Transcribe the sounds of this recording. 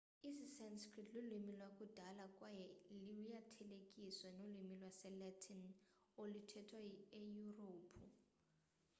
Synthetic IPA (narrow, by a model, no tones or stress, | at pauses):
isisɛnskritʰlilimilwak̬ʼud̥ʱalakʼwajɛliujatʰɛlekʼiswɛnolimilwasɛlɛtʰin | olitʰɛtʰwaejuroːpʰu